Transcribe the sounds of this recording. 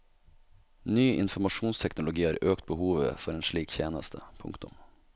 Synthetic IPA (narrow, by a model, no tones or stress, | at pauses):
nyːʔɪ̰nfɔmɑʃuːnst̪ʰɛknʊlʊɡiːhɑːɾøːkt̪̚bəhuːʋə̰fɔɾeːnʂɭiːkçeːnəst̪ʰəpʰʊ̰ŋkt̪ʊm